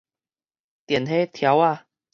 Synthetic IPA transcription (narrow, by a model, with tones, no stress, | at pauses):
t̪jɛ˨˩nɦe˦t̪ʰja˨˦wa˧˨